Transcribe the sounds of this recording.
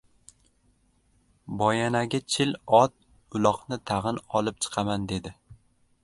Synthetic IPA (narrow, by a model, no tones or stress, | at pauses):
bɒjanaɡʲat͡ʃʰɪlɒt̪̚ | ʊlˠɒqnɪt̪ʰaʁɨnɒlɪp̚t͡ʃʰɨ̥qʰɑmand̪e̞d̪ɪ